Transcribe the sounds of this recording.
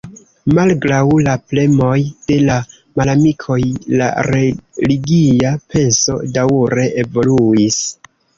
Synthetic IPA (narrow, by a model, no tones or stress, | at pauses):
malɡɾawlaple̞mo̞jd̥e̞la | malamikʰo̞jla̰ɾeliɡiapʰe̞nso̞̰dawɾe̞ʔevo̞luis